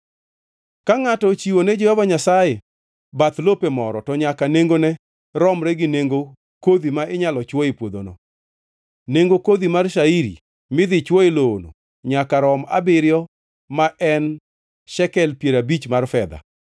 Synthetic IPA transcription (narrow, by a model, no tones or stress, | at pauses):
kaŋatɔt͡ʃiwoned͡ʒɔhɔvaɲasaje | bat̪lopemɔɾɔtɔɲakaneŋɡonɛ | ɾɔmɾɛɡɪneŋɡo | kod̪imaɪɲalɔt͡ʃwoɪpwod̪o̰no̰ | neŋɡokod̪imarʃaiɾḭ | mɪd̪ɪt͡ʃwoeloːno̰ | ɲakaɾɔma̰bɪɾjɔ | maʔɛn | ʃɛkɛlpjeɾabit͡ʃmarfɛd̪a̰